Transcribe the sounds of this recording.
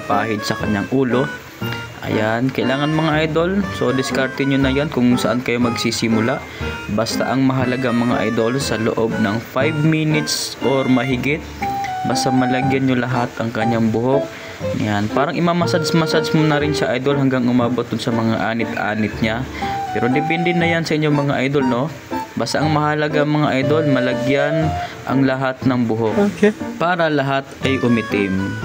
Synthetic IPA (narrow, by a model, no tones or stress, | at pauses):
pa̰ːhɪd̪̚sɐkɐɲːaŋʔuːlo̞ | ʔɐ̰jankɐʔɪlaːŋɐnmɐŋaʔajd̪o̞lsod̪ɪskaɾt̪ɪnɲonɐjonkʊŋsɐʔankɐjo̞mɐɡsisɪmʊlaʔbast̪a̰ʔɐŋmɐɦɐlɐɡaʔɐŋmɐŋa̰ʔa̰jd̪o̞lsɐloʔo̞b̚nɐŋfajbminɪt̪sʔoɾmɐɦɪɡɪt̪̚bɐst̪amɐlɐɡjɐnɲolɐɦat̪ʔɐŋkɐɲːaŋbʊɦok̚ | janpaːɾɐŋʔɪmaːmɐsad̪smɐsad̪smʊnɐɾɪnsaʔajd̪o̞lɦɐŋɡaŋʊmaːbo̞t̪̚d̪ʊnsɐmɐŋa̰ʔaːnɪt̪ʔa̰ːnɪt̪̚ɲapɛːɾo̞d̪ɪpɛnd̪ɛnɐjansɐʔɪɲːomɐŋaʔajd̪o̞lno̞ | baːst̪aʔɐŋmɐhalɐɡaŋmɐŋaʔajd̪o̞lmɐlɐɡjanʔɐ̰ŋlɐɦat̪̚nɐŋbʊɦokːpaːɾɐlɐɦat̪̚ʔɐjʔʊmɪt̪ɪm